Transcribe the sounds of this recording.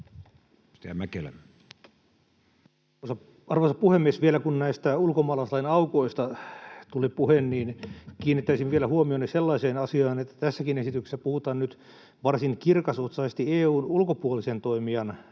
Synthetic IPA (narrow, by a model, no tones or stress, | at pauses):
si̥t̪æ̰mækelæ̰m | sɑ | ɑrʋosɑpuhemːiesʋielækunnæist̪æulkomɑːlɑslɑinɑukoist̪ɑt̪ulipuhenniːnkiːnːit̪ːæisiʋʋielæhuomionːeselːɑiseːnɑsiɑːnet̪ːæ̥t̪æsːækinesit̪ykse̥sːæpuhut̪ɑːnnyt̪ | ʋɑrsinkirkɑsot̪sɑsest̪ieːuːnulkopuolisent̪oimiɑn